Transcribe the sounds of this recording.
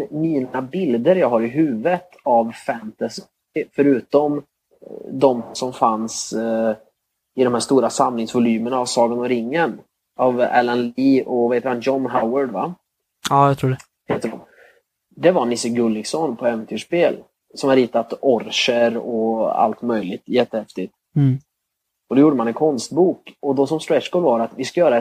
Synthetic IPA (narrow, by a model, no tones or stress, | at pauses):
miːnabɪld̪əɾjɑːɡɦaɾɪɦʉ̟ːvət̪ʰavfɛnt̪as | fœɾʉ̟ːt̪ɔm | d̪ɔmsɔmfans | ɪd̪ɔmhæːʂst̪uːɾasamlɪŋsvʊlyːməɳaːvsɑːɡənɔɾɪŋːən | ʔavɛ̰lɛnliːʔɔvaheːt̪əɾanjɔnɦaʊəɖva̰ː | ɑt̪ʰɾuːɖ | heːt̪ːəɖɔ̰m | d̪ɛvaɾnɪsəɡɵlːɪɡsɔnpʰɔɛvɛnt̪ʰʉːʂpeːl | sɔmhaɾiːt̪at̪ɔɾʂəɾɔa̰lt̪mœjlɪɡ̚t̪jɛt̪ːəhɛft̪ɪt̪ | ɔd̪ɔjuːɖəmanɛnkʰɔnst̪buːkɔd̪ɔsɔmst̪ɾɛʂkɔːlvaɾat̪vɪskajœːɾaɛ